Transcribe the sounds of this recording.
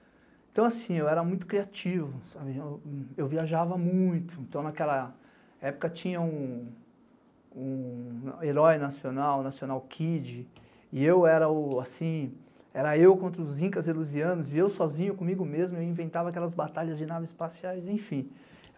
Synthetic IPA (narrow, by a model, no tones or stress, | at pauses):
ẽt̪ɐ̃w̃asĩewɛɾɐmũj̃t̪ʊ̥kɾiat͡ʃivʊsabɪewewviaʒavɐmũj̃t̪ʊẽnt̪ɐ̃w̃nakɛlɐ | ɛpʊ̥kɐt͡ʃĩɲɐũ | ũeɾɔjnasionawnasiõnawkʰid͡ʒɪ | ɪewɛɾɐʊasĩ | ɛɾɐewkõnt̪ɾɐʊzĩkɐzeluziɐ̃nʊziɪewsɔzĩɲʊkõmiɡʊmezmʊewĩvẽnt̪avɐakɛlɐzbat̪aʎɐzd͡ʒɪnavɐzɪspasiajzẽj̃fĩ